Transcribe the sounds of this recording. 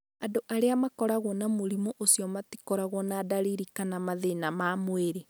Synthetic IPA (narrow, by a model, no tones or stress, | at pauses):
andoʔaɾeamakɔɾaɣwɔnamoɾimoʔosiɔmati̥kɔɾaɣwɔnadaɾiɾikanamaðenamamweɾe